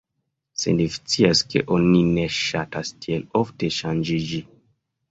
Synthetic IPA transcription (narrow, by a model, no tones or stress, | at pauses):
sḛnlifi̥t͡siaske̞̰ʔonineʃatastielofte̞ʃand͡ʒid͡ʒi